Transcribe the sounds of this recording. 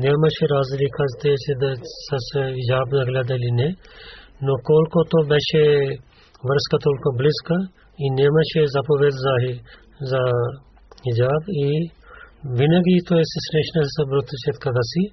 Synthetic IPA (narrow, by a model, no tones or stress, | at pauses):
nemɐʃeɾaːzlikʰɐzt̪et͡ʃed̪sɐsid͡ʒaːbzɐɡlʲad̪ɐline | nokoːlkot̪obɐʃe | ʋɐɾskɐt̪oːlkobliskɐ | inemɐʃezɐpoʋed̪zaːɦi | za | id͡ʒaːbi | ʋinɐɡit̪oesɐsɾeʃnɐssɐbɾut̪ːɐt͡ʃʰet̪kɐɡɐsi